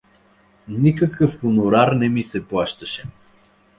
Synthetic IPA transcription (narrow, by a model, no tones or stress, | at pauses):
nikəkəfxʊnʊɾaɾnɛmisɛplˠaʃt̪ɐʃɛ